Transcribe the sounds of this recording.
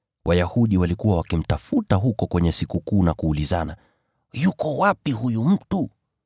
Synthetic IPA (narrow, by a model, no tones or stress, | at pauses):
wʔajahuɗiwalikuwawakim̩tafutaɦukɔkwɛɲɛsikukuːnakuːlizana | jukɔwapiɦujum̩tu